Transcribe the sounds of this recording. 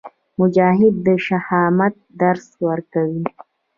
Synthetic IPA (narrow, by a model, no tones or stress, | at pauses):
mʊd͡ʒɑːɦɪd̪ːəʃahɑmat̪̚d̪aɾswəɾkawi